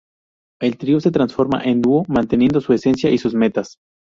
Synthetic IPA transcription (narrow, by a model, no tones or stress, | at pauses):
e̞lt̪ɾio̞se̞t̪ɾansfo̞ɾma̰ʔe̞nd̪uomãnt̪e̞nje̞nd̪o̞sue̞se̞nsjaʔisuzme̞t̪as